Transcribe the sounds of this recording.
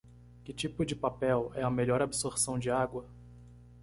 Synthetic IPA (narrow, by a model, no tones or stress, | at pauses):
kɪt͡ʃipʊd͡ʒɪpapɛwɛɐmeʎɔɾabsoɾsɐ̃w̃d͡ʒɪaɡwɐ